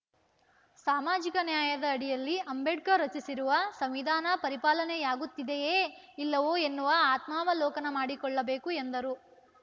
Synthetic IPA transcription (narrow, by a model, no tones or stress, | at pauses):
saːmaːd͡ʒikɐnjaːjɐd̪ɐːɽijɐlːiʔɐmbeɖkɐɾɐt͡ʃisiɾuʋɐsɐmʋid̪ʱaːnɐpɐɾipaːlɐnejaːɡut̪ːid̪ejeːilːɐʋoːe̞nːuʋɐaːt̪maːʋɐlɔːkɐnɐmaːɽikɔɭːɐbe̞ːkuend̪ɐɾu